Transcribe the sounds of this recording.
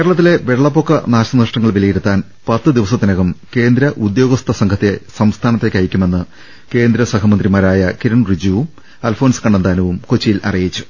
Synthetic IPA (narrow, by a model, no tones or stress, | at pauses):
keːɾɐɭɐt̪̬ːile̞ʋeɭɭːɐpːo̞kːɐ̰naːɕɐnrʂʈɐŋːɐɭʋilɐjiɾut̪ːaːn | pɐt̪ːɨd̪iʋɐsɐt̪ːinɐɣɐmke̞ːnd̪ɾɐʔud̪jo̞ːɡɐst̪ʰɐsɐŋkʰɐt̪ːe̞sɐmst̪ʰaːnɐt̪ːekʲːɐjikʲːume̞nːɨ | ke̞ːnd̪ɾɐsɐkɐmɐnd̪rimaːɾaːjɐkiɾɐɳrid͡ʑuʋum | ɐːlfo̞ːnskɐɳɖend̪aːnɐʋumkot͡ɕːijilɐ̰rijit͡ɕːu̥